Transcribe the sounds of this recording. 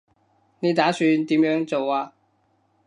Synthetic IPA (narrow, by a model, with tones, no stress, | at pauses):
ne˨˧jt̪aː˨˥syː˧nt̪iː˨˥mjœː˨˥ŋt͡so˨waː˧